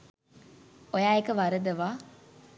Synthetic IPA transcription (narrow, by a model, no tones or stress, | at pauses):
ojaːekəʋaɾəd̪ɐʋaː